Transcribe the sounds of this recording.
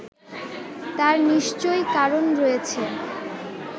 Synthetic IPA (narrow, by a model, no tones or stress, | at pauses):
t̪aɾniʃt͡ɕojkaɾonɾoet͡ɕʰe